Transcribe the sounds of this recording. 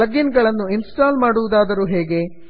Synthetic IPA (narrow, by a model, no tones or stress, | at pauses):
ɐɡinɡɐɭɐnːuinsʈaːlmaːɽuʋud̪aːd̪ɐɾuːɦeːɡe̞